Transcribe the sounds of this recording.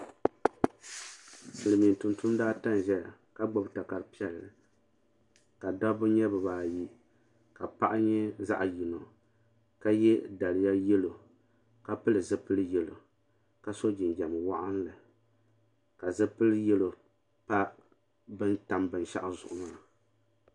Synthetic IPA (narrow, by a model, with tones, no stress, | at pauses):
sɨ˨lɨ˨mi˨n˨tu˨ntu˦m˦daː˦ta˦n˨ʒɛ˦˨ | ka˦ɡ͡bɔ˦bta˨ka˨ɾpi˦ɛ˦lɨ˨ | ka˨da˦bʊ˦ɲɛ˦bɨ˨baː˨ji˦ | ka˨pa˦ʔa˦ɲɛ˦za̰˦ʔji˨no˨ | ka˦jɛ˦da˨lɨ˨ja˦jɛ˦lo˨ | ka˦pɨ˦lɨ˨zɨ˦pɨ˦lɨ˦jɛ˨lo˨ | ka˦so˦d͡ʒɪ˨nd͡ʒɛ˨m˨wa˦ʔa˦n˦lɨ˨ | ka˨zɨ˦pɨ˦lɨ˦jɛ˦lo˨ | pa˦ | bɨ˦nta˨mbɨ˨nʃa̰˦ʔa˦zʊ̰˨ʔʊ˨maː˦˨